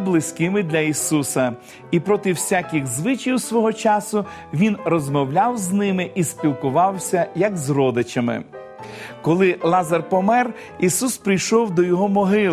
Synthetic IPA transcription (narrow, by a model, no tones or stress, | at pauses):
blˠɪsʲkɪmɪd̪lʲɐisusɐ | ipɾɔt̪ɪwsʲakʲɪɣzʋɪt͡ʃiwsʋɔɦɔt͡ʃɑsʊ | ʋʲinrɔzmɔwlʲawznɪmɪʔispʲilˠkʊʋɑwsʲɐjɐɡzrɔd̪ɪt͡ʃɐmɪ̰ | kɔlˠɪlˠɑzɐrpɔmɛr | isuspɾɪjʃɔwd̪ɔjɔɦɔmɔɦɪlˠ